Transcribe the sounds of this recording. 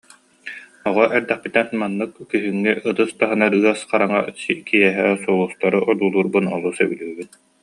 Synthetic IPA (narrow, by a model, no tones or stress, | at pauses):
ɔʁɔʔɛɾd̪ɛχpit̪ɛnmanːɯkːiɦyŋːiɯt̪ɯst̪aɦɯnaɾɯɐsqaɾaŋa̰sikijɛɦɛːsulˠust̪aɾɯʔɔd̪uːlˠuːɾbɯnɔ̰lˠusɛ̰bylyːbyn